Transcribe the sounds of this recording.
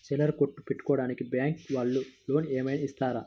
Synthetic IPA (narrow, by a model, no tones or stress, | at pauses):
t͡ʃɛlɐɾkoʈːu̥peʈːu̥kɔːɽaːnikibaːŋkʋɐɭːulo̞ːnɛːmɐjnɐist̪aːɾa